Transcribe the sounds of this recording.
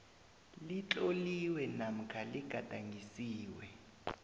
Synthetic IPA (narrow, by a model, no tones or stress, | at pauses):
lit͡ɬoliwɛnam̩kʰaliɡ̥ʱad̥ʱaŋʱisiːwɛ